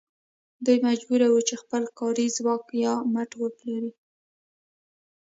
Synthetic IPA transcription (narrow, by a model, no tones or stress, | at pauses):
d̪ujmad͡ʒbuɾawut͡ʃexpəlkɑɾizwɑkjɑmaʈwəploɾi